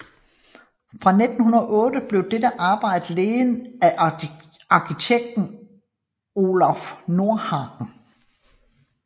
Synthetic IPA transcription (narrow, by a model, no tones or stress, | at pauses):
fʁɑ̈ned̥n̩hunɐʔɔ̽ːd̥əb̥le̝ʊd̥edəʔɑ̈ːb̥ɑ̈ɪ̰d̥əleːnæ | ɑ̈kʰit͡sʰeɡ̥̚d̥n̩ | o̝ːlæfno̝ɐ̰hɑ̈ɡ̥n̩